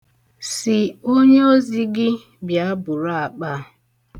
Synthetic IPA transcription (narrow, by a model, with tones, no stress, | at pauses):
sɪ˨o˦ɲe˦o˦zi˦ɡɪ˦ | bja˨˦bʊ˨ɾa˦a˨k͡pa˦˨